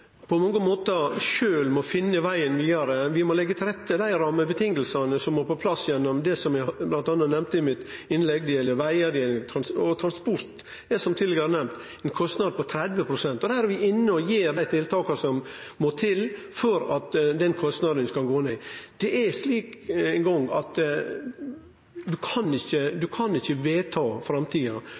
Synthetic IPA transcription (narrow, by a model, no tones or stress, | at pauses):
pʰɔmɔŋːəmoːt̪ɑʂøːlmɔfɪnːəʋæɪənʋiːd̪ɑɾəʋɪmɔlɛɡːət̪ʰɪlɾɛt̪ːəd̪æɪɾɑːməbət̪ʰɪŋəlsɑnəsɔmmoːɾpɔpʰlɑsːjɛnːɔmd̪ɛsɔmæblɑnt̪ɑnːɑt̪nɛmt̪əɪmɪt̪ɪnlɛɡ̚d̪iːlːəʋæɪəd̪iːt̪ʰɾɑnsɔt̪ʰɾɑnspɔɾt̪ | ɛsɔmt̪ʰɪd̪lɛɡɑɾənɛmt̪ | ɛnkʰɔst̪nɑd̪əpɔt̪ʰɾɛd̪ʋəpʰɾʊsɛnt̪ɔd̪hæːɾɛʋɪʔɪnːəɔjeːɾd̪æɪt̪ʰɪlt̪ʰɑːkɑsɔmmoːt̪ʰɪl | fɔɾɑt̪d̪ɛnkʰɔst̪nɑd̪ənskɑlɡoːned̪̥ɛʔæʂliːkɛŋɡɔŋːɑt̪ | d̪ʉkʰɑnɪçːəd̪ʉkʰɑnɪçːəʋeːt̪ʰɑːfɾɑmt̪ʰiːɑ